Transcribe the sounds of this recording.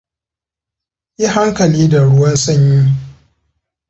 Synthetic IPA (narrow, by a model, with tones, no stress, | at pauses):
ji˦ɦa˦ŋkɐ˨liː˦da˨ɽʊ˦wɐ˦nsɐ˦ɲji˦˨